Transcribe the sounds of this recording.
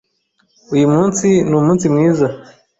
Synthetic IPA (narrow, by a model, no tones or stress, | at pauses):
ujimuːnsinuːmuːnsimwiːza